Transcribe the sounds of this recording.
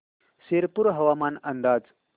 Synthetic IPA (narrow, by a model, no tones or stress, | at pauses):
seɾpuɾɦɐʋaːmaːnɐnd̪aːd͡z